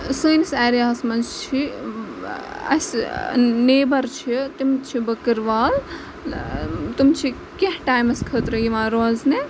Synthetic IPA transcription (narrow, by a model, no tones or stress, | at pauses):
səːjnisaːɾijaːsmɐnzt͡ʃʰi | ɐ̰s | neːbɐɾt͡ʃʰit̪imt͡ʃʰibɐkɨɾʋaːl | t̪umt͡ʃʰi | kiɦʈaːjmɐskʰət̪ɾɐjimãːɾoːzne